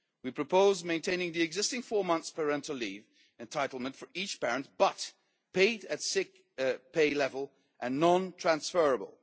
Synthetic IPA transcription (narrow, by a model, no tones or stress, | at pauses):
wipʰɹ̥ɨpʰoʊzmẽɪ̃ntʰẽɪ̃nɪ̃ŋðiɨɡzɪstɪ̃ŋfɔɹmʌ̃nθspʰə˞ɛ̃ntl̩ˠliv | ɨ̃ntʰaɪɾl̩ˠmə̃ntfə˞it͡ʃpɛɹɨ̃ntb̥ʌt̚ | pʰeɪɾɨtsɪk̚ | pʰeɪlɛvəlˠ | ʔɨ̃nːɑ̃ntʰɹ̥æ̃nsfɜ˞əbə̰l̩ˠ